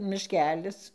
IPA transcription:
mʲɪʃʲˈkʲæːlʲɪs

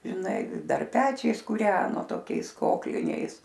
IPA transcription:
ʒʲɪˈnɐɪ ˈdɐr ˈpʲæːt͡ʃʲɛɪs kuːˈrʲæːnoː toːˈkʲɛɪs ˈkoːklʲɪnʲɛɪs

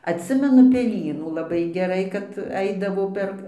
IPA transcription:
ɐtʲˈsʲɪmʲɛnʊ pʲɛˈlʲiːnuː lˠɐˈbɐɪ ɡʲɛˈrɐɪ kɐt ˈɐɪdɐʋoː ˈpʲɛr

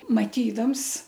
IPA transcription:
mɐˈtʲiːdɐms

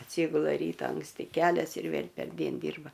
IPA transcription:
ɐtʲˈsʲiːɡʊlˠɐ ˈrʲiːtɑː ɐŋksʲˈtʲɪ ˈkʲæːlʲɛs ɪr ˈʋʲeːlʲ pʲɛrʲˈdʲiɛn ˈdʲiːrbɐ

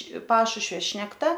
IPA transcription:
ˈpɑːʃʊʃʲʋʲoː ʃʲnʲɛkˈtɐ

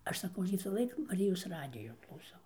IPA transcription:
ˈɐʃ sɐˈkɐʊ ʋʲɪsɑːˈlˠɐɪk mɐˈrʲɪjoːs ˈrɑːdʲɪjoː klˠɐʊˈsɐʊ

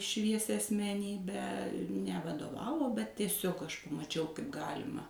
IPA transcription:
ˈʃʲʋʲiɛsʲɛ ɐsʲmʲɛˈnʲiːbʲæː nʲɛʋɐdoːˈʋɑːʋoː bʲɛt tʲiɛˈsʲɪk ɐʃ pɐmɐˈt͡ʃʲɛʊ kɐɪp ˈɡɑːlʲɪmɐ

